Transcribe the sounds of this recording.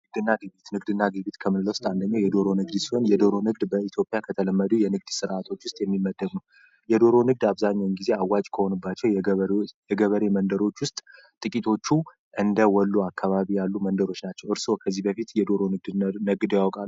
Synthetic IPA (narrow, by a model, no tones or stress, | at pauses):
ɨɡd̪ɨnːaɡɨβit̪nɨɡd̪ɨnːaɡɨβit̪kʰəmɨnɨlːəwʊst̪ʼand̪əɲːawjɛd̪o̞ɾo̞nɨɡd̪siho̞njɛd̪o̞ɾo̞nɨɡd̪bəit̪ʰjopʼːjakʰət̪ʰələmːəd̪ujɛnɨɡd̪sɨɾʔat̪ʰo̞t͡ʃːwʊst̪ʼjɛmːimːəd̪ːəmu | jɛd̪o̞ɾo̞nɨɡ̚d̪aβzaɲːawnɡize̞awːat͡ʃʼkʰəho̞nɨbːat͡ʃːɛw | jɛɡəβəɾemənd̪əɾo̞t͡ʃːwʊst̪ʼ | t̪ʼɨkʼit̪ʰo̞t͡ʃːu | ʔɨnd̪əwɔlːuakːaβaβijalːumənd̪əɾo̞t͡ʃːnat͡ʃːɛwɨɾso̞kʰəzːihbəfit̪jɛd̪o̞ɾo̞nɨɡ̚d̪nɨɡd̪jawɔkʼalːu